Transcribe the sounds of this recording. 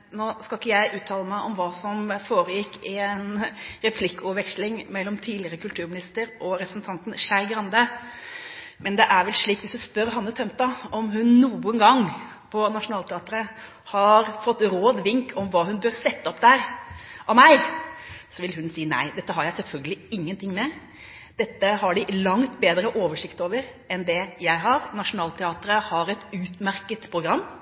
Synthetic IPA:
noːskɑlkːəjæɪʔʉːt̪ʰɑːləmæɪʔɔmʋɑːsɔmfoːɾəjɪkːɪnɾɛpʰlɪkːɔʋɛkʂlɪŋmɛlːɔmt̪ʰiːd̪lɪəɾəkʰʉlt̪ʰʉːɾmɪnɪst̪əɾʔɔɾɛpʰɾəsn̩t̪ʰɑnt̪n̩ʃæɪɡɾɑnd̪ə | mɛnd̪ɛʔæɾʋɛlʂɭiːkʋɪsd̪ʉspœɾɦɑnːət̪ʰœmt̪ɑɔmɦʉnːuːənɡɑŋː | pʰɔnɑʂʊnɑːlt̪ʰɛɑːt̪əɾə | hɑɾfɔt̪ːɾoːd̪ʋɪŋkʰɔmʋɑːɦʉnbøːɾsɛt̪ːəɔp̚d̪æɾɑʋmæɪ | sɔʋɪlɦʉnsiːnæ̰ɪd̪ɛt̪ːəɦɑɾjæɪsɛlfœlɡəlɪɪŋːənt̪ʰɪŋːmɛ | d̪̥ɛt̪ːəhɑɖɪlɑŋt̪beːd̪ɾəʔoːʋəʂɪkt̪oːʋəɾ | ɛnd̪ɛjæɪɦɑɾnɑʂʊnɑːlt̪ʰɛɑːt̪əɾəhɑɾɛt̪ʉːt̪mæɾkət̪pʰɾʊɡɾɑmː

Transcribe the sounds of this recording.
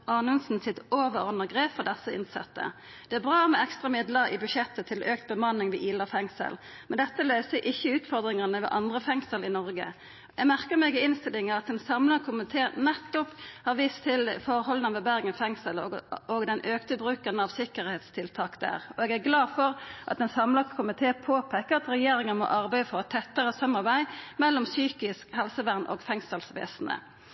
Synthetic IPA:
ʔɑːnʉnsn̩sɪt̪oːʋəɾɔnəɡʁeːpfɔd̪ɛsəɪ̰nsɛ̰t̪ːə̰ | d̪̥ɛæɾbʁɑːmɛɛkst̪ʁɑmɪd̪ləɾɪ̰bʉʃjɛt̪ːət̪ʰɪløːk̚t̪̚bəmɑnːɪŋʋɪʔiːlɑfɛŋsə̰l | mɛnd̪ɛt̪ːəløːsəʔɪçːəʉːt̪fɔʁd̪ʁɪŋɑnəʋɛ̰ʔɑnd̪ʁəfɛŋsəlɪnɔʁɡə̰ | ʔɛɡmæʁkəmɛːɡɪɪnst̪ɪlɪŋəɾɑt̪̚ɛnsɑmləʁkʰʊmɪt̪ʰeːnɛt̪ːʊphɑʁʋiːst̪ʰɪlfɔʁhɔlənɑʋɛbæʁɡənfɛŋsəlɔɡd̪ɛnʔøːkt̪əbʁʉːkənəɑʋsɪkːəʁheːt̪st̪ʰɪlt̪ʰɑːkd̪æ̰ːʁɔɛɡæʁɡlɑːfɔɾʔɑ̰t̪ɛnsɑmlɑɡskʰʊmɪt̪ʰeːpʰoːpʰɛkːəɑt̪ɾɛjeːɾɪŋənmɔ̰ʔɑʁbæɪəfɔʁt̪ʰːɛt̪ːəʁəsɑmːɑʁbæɪmɛlːɔmsyːkɪskhɛlsəʋæʁnʔɔ̰ɡfɛŋsəlsʋḛːsnə̰

